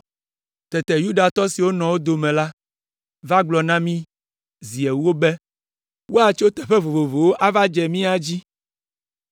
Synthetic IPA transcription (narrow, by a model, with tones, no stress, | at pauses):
t̪ɛ˨t̪ɛ˨ju˦ɖa˨t̪ɔ˦si˨wo˦nɔ̃˨wo˦d̪o˨mɛ̃˨la˦ | va˦ɡ͡blɔ˨nã˦mĩ˦ | zi˨ɛ˨wu˦o˦bɛ˦ | wo˦a˨t͡ʃo˦t̪ɛ˨ɸɛ˦vo˨vo˨vo˨wo˦ʔa˦va˦d͡ʒɛ˨mĩ˦a˦d͡ʑi˦